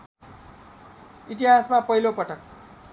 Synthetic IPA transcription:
iʈ̬iɦasmapʌɦilopʌʈʌk̚

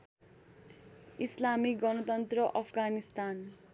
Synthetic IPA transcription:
islamiɡʌnʌt̪ʌnt̪rʌʔʌpʰɡanist̪an

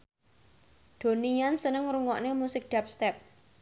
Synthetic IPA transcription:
d̪̥o̤nijansənəŋɾuŋɔʔnemusɪk̚ɖ̥a̤p̚st̪ɛp̚

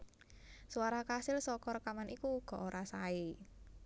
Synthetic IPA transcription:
suaɾakasɪlsɔkɔrkamanʔikuɡ̥ɔ̤ʔoɾʔasaɪ

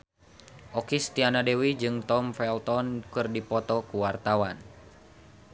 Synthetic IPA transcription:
ʔɔkist̪ianadewid͡ʒɨŋt̪ɔmfɛlt̪ɔnkɨrdipɔt̪ɔkuwart̪awan

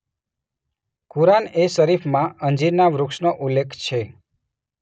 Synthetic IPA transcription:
kuɾanesəɾifʰmãə̃nd͡ʒiɾnaʋɾʊkʃnoʔulːekʰt͡ʃʰe

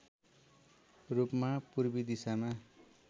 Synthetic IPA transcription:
rupmapurbid̪isama

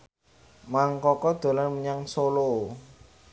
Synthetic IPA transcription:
maŋkɔkɔd̪̥o̤lanməɲaŋsolo

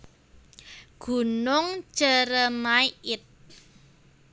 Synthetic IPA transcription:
ɡ̥ṳnʊŋ̥ʒ̥ə̤ɾəmaiɪt̪̚

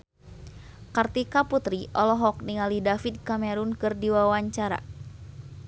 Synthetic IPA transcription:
kart̪ikaput̪ɾiʔɔlɔɦɔk̚niŋalidafid̪̚kamɛɾunkɨrdiwawaɲt͡ʃaɾa̰

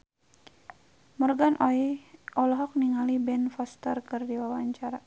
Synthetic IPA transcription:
mɔrɡanʔɔiʔɔlɔɦɔk̚niŋalibɛnfɔst̪ərkɨrdiwawaɲt͡ʃaɾa

